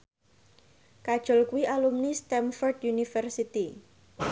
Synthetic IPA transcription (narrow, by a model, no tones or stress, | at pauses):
kad̥ʒ̥ʊlkuiʔalumnist̪ɛmfɔrd̪junifɛrsit̪i